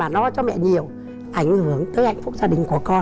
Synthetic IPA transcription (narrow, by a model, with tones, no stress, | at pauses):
aː˨˩nɔ˨˦t͡ɕɔ˧mɛ̰˧˨ɲi˨˩əw | ʔa˧˩jŋ̟hɨ˧˩əŋt̪əː˨˦jha̰˧˨jŋ̟fʊ˦˥k͡p̚zaː˧ɗï˨˩ŋ̟ku˧˩əkɔ˧n